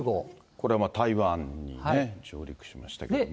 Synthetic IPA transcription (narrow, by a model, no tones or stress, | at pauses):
ɡo | ko̞ɾe̞amat̪aiβãɲːḭned͡ʑoːɾʲikɯ̟̥ɕima̰ɕi̥t̪a̰ke